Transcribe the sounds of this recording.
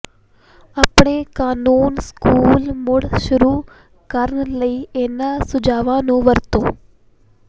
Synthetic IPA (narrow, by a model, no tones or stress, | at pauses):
ɐpɳekaːnuːnskuːlmʊɽʃʊɾuː | kəɾəɳləiːeːnasʊd͡ʒʱaːʋãnũːʋəɾt̪õː